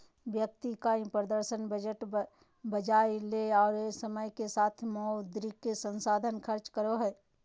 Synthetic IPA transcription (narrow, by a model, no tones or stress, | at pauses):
ʋjək̚t̪ikaĩpɾəd̪əɾʃənbəd͡ʒəʈ | bəd͡ʒaːjleɔːɾesəməjkesaːt̪ʰmɔːd̪ɾikesə̃nsaːd̪ʱənkʰəɾt͡ʃkəɾoɦɛː